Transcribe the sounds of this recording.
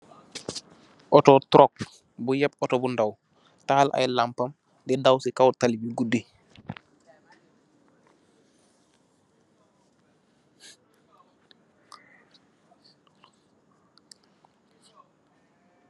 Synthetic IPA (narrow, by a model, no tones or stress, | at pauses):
ʔɔtɔtɾɔk̚ | bujapɔtɔbundaw | taalʔa̰jlampam | ndidawsikawtalibiɡudːi